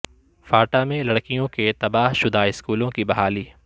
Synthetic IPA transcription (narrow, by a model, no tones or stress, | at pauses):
faːʈamẽlɐɽkijõket̪ɐbaːɦʃʊd̪aːɪskuːlõkibɐɦaːliː